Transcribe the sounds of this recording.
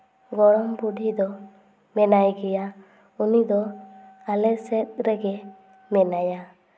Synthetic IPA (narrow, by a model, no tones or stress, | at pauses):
ɡɔɾɔŋbuɖid̪ɔ | mɛnajɡɛja | unid̪ɔalɛsɛt̪̚ɾɛɡɛ | mɛnaja